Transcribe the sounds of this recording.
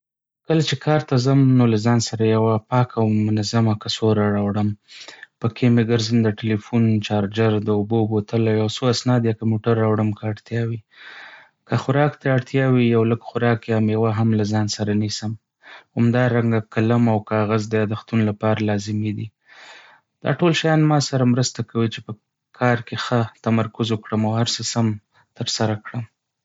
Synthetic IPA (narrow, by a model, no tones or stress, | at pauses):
kəlat͡ʃekʰɑɾt̪azamnolazɑnsaɾajawapɑkawmʊnazamakasoɾaɾɑwɽəmpəkʰemeɡəɾzənd̪əʈelifunt͡ʃɑɾd͡ʒaɾd̪əʊbobot̪əlajawsoasnɑd̪jakamoʈaɾːawɽəmkaaɽt̪jɑwi | kəxʊɾɑkt̪aaɽt̪jɑwijawləɡxʊɾɑkjamjawaɦamlazɑnsaɾanisəm | hamd̪ɑɾaŋɡakaləmawkɑːɣazd̪əjɑd̪axt̪unlapɑɾalɑzɪmid̪i | d̪̥ɑ̰ʈolʃajɑnmɑsaɾamɾəst̪akawit͡ʃepə | kʰɑɾkexət̪amaɾkʊzokɽəmawhaɾsəsam | t̪əɾsaɾakɽəm